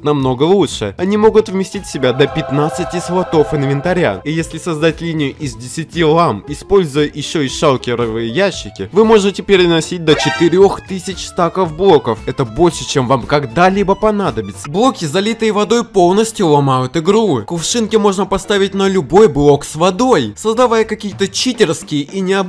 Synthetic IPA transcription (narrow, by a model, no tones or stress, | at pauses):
nɐmno̞ɡəlˠuʂɨjəɐnʲimo̞ɡʊt̪vmʲɪsʲtʲitʲfʲsʲɪbʲad̪əpʲɪt̪nat̪sɨtʲɪsvˠɐt̪o̞fɨnvʲɪnt̪ɐɾʲa̰nijesʲlʲɪsɐzd̪atʲlʲinʲɪjʊʔɪzʲdʲɪsʲɪtʲilˠamɪspo̞lʲzʊjəjɪɕːo̞ɪʂalˠkʲɪɾəvɨjəjæɕːɪkʲɪvɨmo̞ʐɨtʲɪpʲɪɾʲɪnɐsʲit̚ʲd̪ət͡ɕɪt̪ɪɾʲo̞xt̪ɨsʲɪt͡ɕst̪akəfblˠo̞kəfɛt̪əbo̞lʲʂɨt͡ɕemvamkɐɡd̪alʲibəpɐnad̪əbʲɪt̪səblˠo̞kʲɪzɐlʲit̪ɨjəvɐd̪o̞jpo̞lˠnəsʲtʲjʊlˠɐmajʊt̪ɪɡɾukʊfʂɨnkʲɪmo̞ʐnəpɐst̪avʲɪt̚ʲnəlʲʊbo̞jblˠo̞ksvɐd̪o̞jsəzd̪ɐvajəkɐkʲijət̪ət͡ɕitʲɪrskʲɪjəʔinʲɪɐ